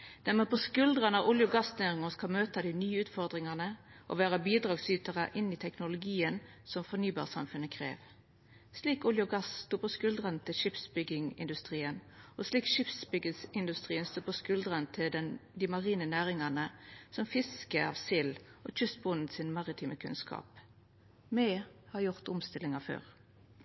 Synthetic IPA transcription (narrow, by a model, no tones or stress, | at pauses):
d̪̥æʁmɛpʰɔskʉld̪ʁənɑʔʊljʊɡɑsnæːʁɪŋəskɑlmøːt̪ɑd̪ɪnyːəʉːt̪fɔʁd̪ʁɪŋɑnəʔo̰ʋæːʁəbiːd̪ʁɑːɡsyːt̪əʁəʔɪnːɪt̪ʰɛknʊlʊɡiːənsɔmfɔnyːbɑ̰ːʁsɑ̰mfʉnːəkʰʁḛːʋ | sliːkʊljʊɡɑsst̪uːpʰɔskʉld̪ʁənət̪ʰɪlʂɪpsbʏɡɪŋɪ̰nd̪ʉst̪ʁiːənɔsliːkʃɪpsbʏɡəsɪnd̪ʉst̪ʁiːənst̪uːpʰɔskʉld̪ʁənt̪ʰɪld̪ɛnd̪imɑʁiːnənæːʁɪŋɑnəsɔmfɪskəɑ̰ːʋsɪloːc͡çʉst̪̚bʊnn̩sɪnmɑʁɪt̪ʰiːmʔəkʰʉ̰nskʰɑ̰ːp | mɛːhɑːjʊʁt̪ʊmst̪ɪlɪŋɑfø̰ːʁ